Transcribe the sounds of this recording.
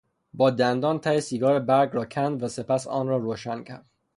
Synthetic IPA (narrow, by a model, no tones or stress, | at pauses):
bɒːd̪ænd̪ɒːnt̪ʰæjesiːɡɒːɾebæɾɡɾɒːcʰænd̪væsepæsɒ̰ːnrɒːɾoːʃæncʰæ̰ɾd̪̥